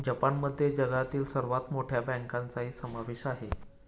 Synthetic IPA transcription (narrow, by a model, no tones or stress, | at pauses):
d͡ʑəpanməd̪ʱːjed͡ʑəɡat̪iːlsəɾʋat̪moʈʰjabə̃ŋkant͡saɦiːsəmaʋeɕaɦe